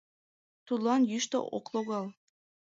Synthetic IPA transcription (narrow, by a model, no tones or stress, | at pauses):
t̪ud̪lˠɑnjyʃt̪o̰ʔo̰klˠoɣɑlˠ